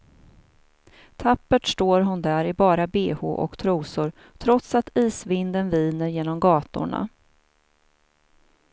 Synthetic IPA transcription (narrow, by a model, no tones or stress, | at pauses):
t̪ʰapːəʈʂʈ̪oːɾɦʊnd̪æɾɪbɑːɾabeːhʊ̰ʔɔ̰kt̪ʰɾuːsʊɾ | t̪ʰɾɔt̪sat̪ʰiːsvɪnd̪ənviːnəɾjeːnɔmɡɑːt̪ʊ̰ɳa̰